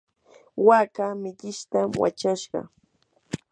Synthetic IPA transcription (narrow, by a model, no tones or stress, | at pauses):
wakamɪʎɪʃt̪amwa̰t͡ʃaʃɢɑ̰